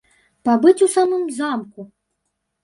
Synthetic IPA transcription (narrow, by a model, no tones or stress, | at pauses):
pabɨt͡sʲusamɨmzamku